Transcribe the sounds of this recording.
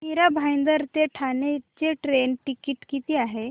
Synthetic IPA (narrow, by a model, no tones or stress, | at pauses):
iɾabʱajnd̪əɾt̪eʈʰanet͡ɕeʈɾenʈikiːʈkit̪iːaɦe